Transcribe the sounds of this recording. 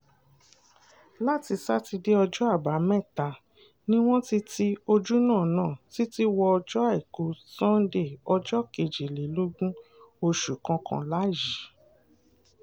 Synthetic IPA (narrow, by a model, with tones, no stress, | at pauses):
la˦ti˧sa˦ti˧de˦ɔ˧d͡ʒɔ˦a˦˨ba˨˦mɛ̃˦˨ta˨ | nĩ˦w̃ɔ̃˦ti˦ti˦o˧d͡ʒu˦nãː˦˨nãː˦˨ti˦ti˦wɔ˧ɔ˧d͡ʒɔ˦a˦˨i˨ko˨˦sã˦n˦de˦˨ɔ˧d͡ʒɔ˦ke˧˨d͡ʒe˨le˨˦lo˦ɡũ˦o˧ʃu˨kã˧kã̰˧la˨˦ji˨˦